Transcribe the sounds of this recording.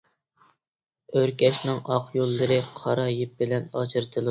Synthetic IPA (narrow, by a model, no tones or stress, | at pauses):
øɾkʲɛʃnɪŋɑqʰjolˠːɨɾɨqʰɑɾɑjip̚bɪlɛnɑt͡ʃʰɨɾt̪ʰɨlˠɨ